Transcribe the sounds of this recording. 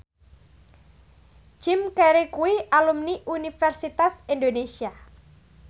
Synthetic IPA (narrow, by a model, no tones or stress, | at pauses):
d͡ʒ̥ɪmkeɾekuiʔalumniʔunifɛrsit̪asindonesia